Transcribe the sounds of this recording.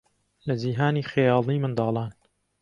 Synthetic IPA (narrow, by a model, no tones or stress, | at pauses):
lɐd͡ʒiːɦaːniːxejɑːlˠiːmɨnd̪ɑːlˠɑːn